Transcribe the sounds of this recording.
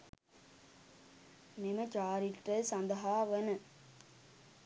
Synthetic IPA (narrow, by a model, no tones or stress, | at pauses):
nemɐt͡ʃaːɾiʈrɐsɐnd̪ɐɦaːʋənɨ